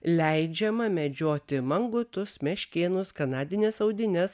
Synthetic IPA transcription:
lʲɛɪd͡ʒʲɛmɐmʲɛd͡ʒʲoːt̪ʲɪmɐŋɡʊt̪ʊsmʲɛʃʲkʲeːnʊskɐnɑːd̪ʲɪnʲeːsɐʊd̪ʲɪnʲɛs

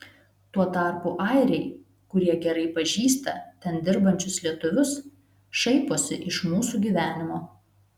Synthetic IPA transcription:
t̪uɔt̪ɑˑɾpuʔɐˑɪɾʲɛɪ | kʊɾʲiɛɡʲɛɾɐɪpɐʒʲiːst̪ɐt̪ʲɛnd̪ʲɪɾbɐnʲt͡ʃʲʊslʲiɛt̪ʊʋʲʊs | ʃɐɪpoːsʲɪʔɪʃmuːsuːɡʲiːʋʲæːnʲɪmoː

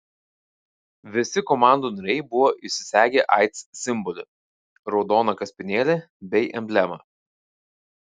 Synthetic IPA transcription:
ʋʲɪsʲɪkɔmɑˑnd̪oːnɐɾʲɛɪbʊʋoːʔɪʃʲsʲɪ̥sʲæːɡʲeʔɑɪt̪ssʲɪmbɔlʲɪ̰ | ɾɒʊd̪oːnɐkɐsʲpʲɪnʲeːlʲe | bʲɛɪʔɛmʲbʲlʲɛmɐ̰

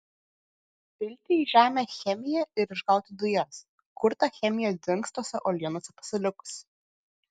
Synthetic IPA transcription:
pʲɪlʲt̪ʲɪiʒʲæːmʲeːxʲɛmʲɪjɛɪɾɪʒɡɑˑʊt̪ʲɪd̪ʊjɛs | kʊɾt̪ɐxʲɛmʲɪjɛd̪ʲɪŋˑkst̪oːsʲɛʔolʲjɛnosʲɛpɐ̥sʲɪlʲɪkʊ̥s

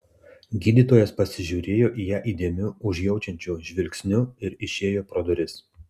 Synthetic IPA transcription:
ɡʲiːd̪ʲiːˑt̪oːjɛspɐsʲɪʒʲuːɾʲeːjoːʔiːjæːʔiːd̪ʲeːmʲʊʊʒʲjɛʊt͡ʃʲɛnʲt͡ʃʲuːʒʲʋʲɪlʲksʲnʲʊɪɾɪʃʲeːjoːpɾoːd̪oːɾʲɪs

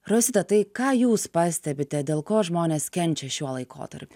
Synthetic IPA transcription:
ɾoːsʲɪt̪ɐt̪ɐɪkɑːjuːspɑːsʲt̪ʲɛbʲɪt̪ʲɛd̪ʲeːlˠkoːʒmoːnʲeːskʲɛnʲt͡ʃʲɛʃʲuɔlˠɐɪko̰ːt̪ɐ̰ɾʲpʲʊ

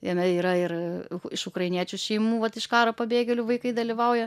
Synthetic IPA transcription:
jɛmʲɛiːɾɐɪrɪʃʊkɾɐɪnʲiɛt͡ʃʲuʃʲɛɪmuːʋɐt̪ɪʃkɑːɾoːpɐbʲeːɡʲɛlʲʊʋɐɪkɐɪd̪ɐlʲɪʋɐʊjɛ

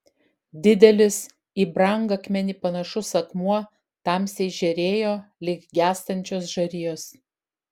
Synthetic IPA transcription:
d̪ʲɪd̪ʲɛlʲɪs | iːbɾɐŋɡɐkmʲɛnʲɪpɐnɐʃʊsɐkmuɔ | t̪ɑmʲsʲɛɪʒʲɛɾʲeːjoːlʲɪkɡʲæːst̪ɐnʲt͡ʃʲoːsʒɐɾʲɪjoːs

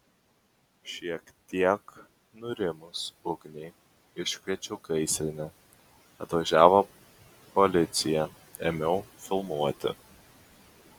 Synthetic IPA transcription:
ʃʲiɛkt̪ʲiɛk | nʊɾʲɪmʊsʊɡnʲɛɪ | ɪʃkʲɾʲɛt͡ʃʲukɐɪsʲɛlʲnʲɛ | ɐt̪ʋɐʒʲæːʋo | pɔlʲɪt̪sʲɪjæ | ɛmʲɛʊfʲɪlˠmuɔt̪ʲɪ̰

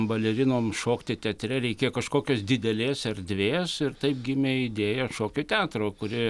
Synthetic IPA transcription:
bɐlʲɛɾʲɪnoːmʃoːkt̪ʲɪt̪ʲɛt̪ʲɾʲɛɾʲɛɪkʲeːjokɐʃkoːkʲoːsd̪ʲɪd̪ʲɛlʲeːsɛɾʲd̪ʲʋʲeːsɪrt̪ɐɪpɡʲɪmʲeɪd̪ʲeːjɛʃoːkʲot̪ʲæːt̪ɾoːkʊɾʲɪ

